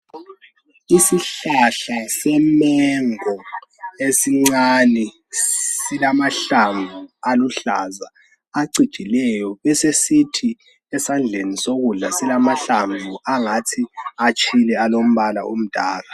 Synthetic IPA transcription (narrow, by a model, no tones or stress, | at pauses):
isiɬaɬasɛmɛŋɔesiŋ͡ǀani | silamaɬaɱvʱualuɬazaː | ǀid̥ʒ̥ʱilɛjɔβɛsesitʰi | ɛsand͡ɮʱenisoɣuɮasilamaɬaɱvʱuaŋatʰiat͡ʃʼʰilɛalom̩βala̰ʔṵm̩d̥ʱa̰ːla